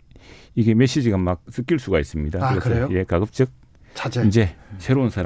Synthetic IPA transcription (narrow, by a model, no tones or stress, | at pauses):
iɡe̞me̞ɕ͈id͡ʑiɡamak̚s͈ɯk͈iɭs͈uɡais͈ɯmɲidakkɯɾeɯsʌje̞kaɡɯp̚t͡ɕ͈ɯk̚ | ind͡ʑe̞sʰe̞ɾounsʰaɾ